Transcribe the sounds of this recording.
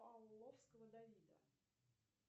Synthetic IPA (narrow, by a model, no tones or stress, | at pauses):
ɐlˠlˠːofskəvəd̪ɐvʲid̪ə̰